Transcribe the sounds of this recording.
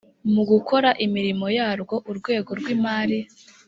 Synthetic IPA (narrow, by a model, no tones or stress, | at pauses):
muɡukʰo̞ɾaʔimiɾimo̞jaːɾɡo̞ʔuɾɡwe̞ːɡo̞ɾɡwiːmaːɾi